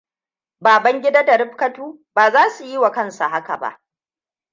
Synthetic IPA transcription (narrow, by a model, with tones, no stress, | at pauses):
baː˨bɐ˦ŋɡʲɪ˦daː˦da˨ɾɪ˦ɸkɐ˦tuː˦ | baː˨zaː˦su˨ji˦wa˨kɐ˦˨nsa̰˨ɦa˦ka̰˨ba̰˦ʔ